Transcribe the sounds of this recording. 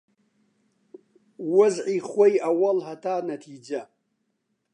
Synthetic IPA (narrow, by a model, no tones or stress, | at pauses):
wʊzʕiχʷejawalɦatʰaːnatʰid͡ʒa